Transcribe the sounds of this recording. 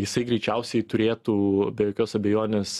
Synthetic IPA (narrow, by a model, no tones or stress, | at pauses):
jɪsɐɪɡɾʲɛɪt͡ʃʲɛʊsʲɛɪt̪ʊɾʲeːt̪uːbʲɛjoːkʲoːsɐbʲɛjoːnʲeːs